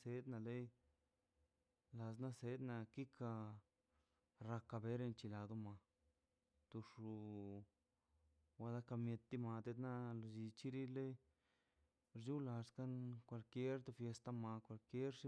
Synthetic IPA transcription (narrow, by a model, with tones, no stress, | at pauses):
se˧d̪na˧le˦j | la˧sna˦se˧˦d̪na˧ki˦kʰa˧ | ɾa˧ka˧be˧˦ɾe˧nt͡ʃi˧la˧d̪o˧ma˧ | t̪u˧ʂu˧ | wa˧d̪a˧ka˧mje˧t̪ːi˧ma˧t̪e˧t̪na˦lo˧˨d͡ʒi˧t͡ʃi˦ɾi˦le˦j | ɾd͡ʒu˦la˧ska˦nkʷa˧˨lkje˦ɾt̪u˧fje˧st̪a˧ma˧kʷa˧lkje˦ɾʂi˦